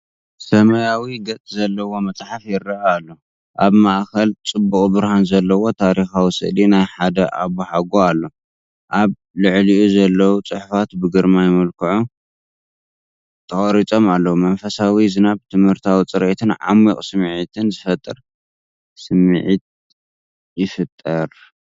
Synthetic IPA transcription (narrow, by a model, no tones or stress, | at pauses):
sɐmɐjawiɡɐt͡sʼzɐlːɐwo̞mɐt͡sʼħafjɪrːɐʔaalːo̞ | ʔaβmaʔkʰɐlt͡sʼɨbːukʼbɨɾhanzɐlːɐwo̞t̪ʰaɾixawisɨ̰ʔlinajħad̪ɐʔa̰βuħaɡoalːo | ʔaβ | lɨʕliʔuzɐlːɐwut͡sʼɨħfat̪bɨɡɨɾmajɪmɐlkʰɨʕu | t̪ʰɐχʼɾit͡sʼo̞malːɐwumɐnfɐsawizɨnabt̪ʰɨmhɨɾt̪ʰawit͡sʼɨɾʔet̪ʰɨnʕa̰mːikʼsɨmʕit̪ʰɨnzɨfɐt̪ʼːɨɾ | sɨmʕit̪̚ | jɪfɨt̪ʼːɐɾ